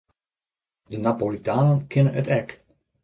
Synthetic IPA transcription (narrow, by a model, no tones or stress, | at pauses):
dənapolitaːnənkʰɪnənətɛk